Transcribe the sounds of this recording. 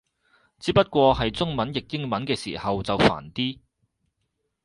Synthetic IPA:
t͡siː˧˥p̚ɐ˥t̚kʷɔː˧hɐ˨jt͡sʊ˥ŋmɐ˨˥njɪ˨k̚jɪ˥ŋmɐ˨˥nkɛː˧sḭː˨˩hɐ˨wt͡sɐ˨wfa̰ː˨˩nt̪iː˥

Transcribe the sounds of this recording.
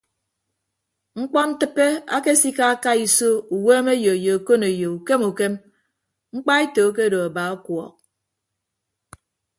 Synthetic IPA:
ŋ͡m̩˦k͡pɔ˦n̩˦tɨ˦pːe˦a̰˦ke˦si˦ka˦a˦ka˦i˨so˦u˨weː˦me˦jo˨e˨jo˨a˨ko˦ne˨jo˨u˨ke˦mu˨ke˦m | ŋ͡m̩˦k͡pa˦e˦to˨˦k̬e˦do˨a˨ba˨a˦kwɔ̰˨k̚

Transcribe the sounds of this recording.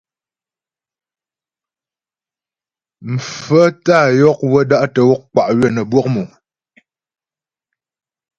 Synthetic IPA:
m̩˨fə˦ta˦˨jɔ˦k̚wə˦da˦ʔtə˨wɔ˦k̚k͡pa˨ʔɥɛ˦nə˨bwɔ˦k̚mu˨

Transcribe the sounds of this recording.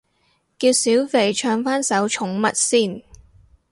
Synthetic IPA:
kiː˧wsiː˨˥wfe˨jt͡ʃʰœː˧ŋfaː˥nsɐ˨˥wt͡ʃʰʊ˨˥ŋmɐ̰˨t̚siː˥˩n

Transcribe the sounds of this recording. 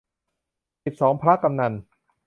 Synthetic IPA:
si˨˩p̚sɔː˩˦ŋpʰɾa˦˥ka˧mna˧n

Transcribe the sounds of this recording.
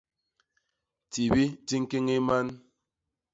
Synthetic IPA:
ti˨bi˦ti˦ŋ̩˦ki˦ŋi˦ma˦n

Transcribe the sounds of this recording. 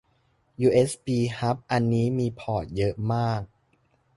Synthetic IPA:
juː˧ʔeː˦˥spiː˧ha˦˥p̚ʔa˧nːiː˦˥miː˧pʰɔː˨˩t̪̚jɤ˦˥ʔmaː˥˩k̚

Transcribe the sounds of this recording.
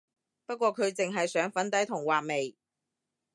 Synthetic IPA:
pɐ˥t̚kʷɔː˧kʰɵ˨˧ɥt͡sɪ˨ŋɦɐ˨jsœː˨˥ŋfɐ˨˥nt̪ɐ˨˥jt̪ʰʊ˨˩ŋwaː˨k̚me˨j

